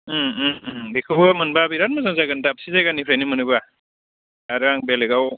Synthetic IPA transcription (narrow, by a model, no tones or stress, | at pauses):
bikʰɯbamɯnbabiɾat̚mazaŋzaɡɯntap̚sizajɡanipʰɾajnimɯnɯba | aɾaŋbeleɡaw